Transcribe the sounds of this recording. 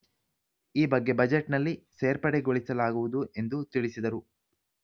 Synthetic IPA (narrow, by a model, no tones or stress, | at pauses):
iːbɐɡːe̞bɐd͡ʒeʈnɐlːiseːɾpɐɽeɡoɭisɐlaːɡuʋud̪uʔe̞nd̪ut̪iɭisid̪ɐɾu